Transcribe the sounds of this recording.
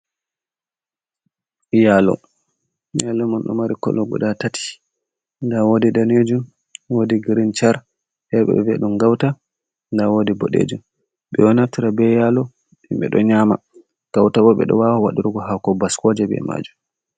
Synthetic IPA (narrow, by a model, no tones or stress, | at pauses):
jalɔ̰ | jalɔmanɗɔ̰maɾikɔ̰lɔɡɔ̰ɗatatʰi̥ | ndawodidaned͡ʒum | wodiɡiɾint͡ʃaɾ | hɛɓɛ̰vɛɗumɡawta | ndawoːdibɔ̰ɗḛd͡ʒum | ɓɛwɔnaftiɾabɛjalɔ | imɓɛ̰ɗɔɲaːma | ɡ̥awtaɓɔɓɛ̰ɗɔ̰wawawaɗiɾuɡɔhakɔbaskɔd͡ʒɛbɛ̰ma̰ːd͡ʒum